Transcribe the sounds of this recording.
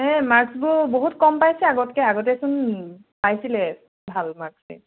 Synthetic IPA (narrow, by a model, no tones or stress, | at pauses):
ɛmaɹksbʊboɦutkɔmpajsɛaɡɔtkɛaɡɔtɛsun | pajsilɛ | bʱalmaɹksɛ̰